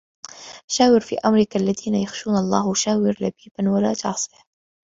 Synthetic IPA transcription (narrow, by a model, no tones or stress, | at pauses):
ʃaːwɪɾfḭːʔamɾɪkalːaðiːnajaxʃuːnalˤːɑːhʃaːwɪɾlabiːbanwalaːt̪ɑʕsˤi̥